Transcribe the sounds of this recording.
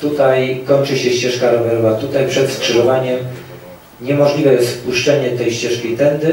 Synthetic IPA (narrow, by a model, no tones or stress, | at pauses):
t̪ut̪ajkɔɲt͡ʂɘɕɛɕt͡ɕɛʂkaɾɔvɛɾɔvat̪ut̪ajpʂɛt̪skʂɘʐɔvaɲɛm | ɲɛmɔʐlʲivɛjɛst̪puʂt͡ʂɛɲɛt̪ɛjɕt͡ɕɛʂkʲejt̪ɛnd̪ɘ